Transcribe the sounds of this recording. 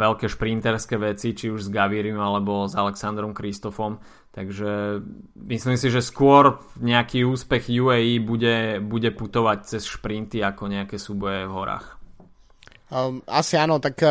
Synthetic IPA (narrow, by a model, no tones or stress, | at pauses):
ɛlkɛʃpɾint̪ɛɾskɛʋɛt͡sit͡ʃiuʒzɡaʋiɾiumalɛbɔzalɛksand̪ɾɔmkɾist̪ɔfɔm | t̪aɡʒɛ | misliːmsiʒɛskʊɔɾɲɛakiːuːspɛɣjuɛiːbuɟɛbuɟɛput̪ɔʋac̚t͡sɛsʃpɾint̪iakɔɲɛakɛsuːbɔjɛvɦɔɾa̰ːx | a̰sianɔt̪ak